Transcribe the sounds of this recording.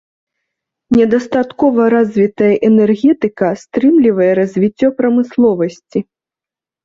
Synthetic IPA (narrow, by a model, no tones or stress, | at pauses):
nʲɛd̪ɐst̪at̪kɔvɐɾazʲvʲit̪ɐjɐʔɛnɛrɣʲɛt̪ɨkɐst̪ɾɨmlʲivɐjɛɾɐzʲvʲit͡sʲːɔpɾɐmɨslˠɔvɐsʲt͡sʲi